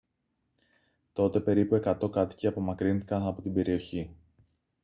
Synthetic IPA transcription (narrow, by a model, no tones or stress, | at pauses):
t̪o̞t̪e̞pe̞ɾipue̞kɐt̪o̞kɐt̪i̥ceɐpo̞mɐkɾinθikɐnɐpo̞t̪ibe̞ɾio̞çi